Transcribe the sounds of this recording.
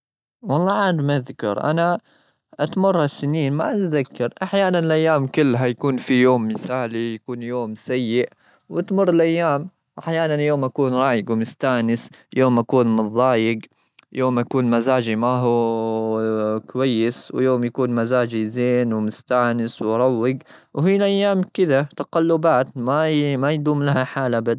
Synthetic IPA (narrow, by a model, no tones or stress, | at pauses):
wɑlˤːɑːʕaːd̪maðkɑɾˤʔa̰na | ʔat̪mʊrˤhasɪniːnma̰ʔat̪ðakːɑɾˤʔaħjaːnanɪlʔajːaːmkɪlːɦajakuːnfijoːmːɪθaːlijakuːnjoːmsajːɪʔ | wɪt̪mʊrˤːɪlʔajːaːm | ʔaħjaːnanjoːmʔakuːnɾˤɑːjɪɡwmɪst̪aːnɪs | joːmʔakuːnmɑðˤɑːjɪɡ | joːmʔakuːnmazaːd͡ʒimaɦuː | kwajːɪswjoːmjakuːnmazaːd͡ʒizeːnwɪmɪst̪aːnɪswɪɾˤɑwːɪɡwhiːlʔajːaːmkɪd̪at̪aqalːʊbaːt̪mamajd̪uːmlahaħaːlʔabad̪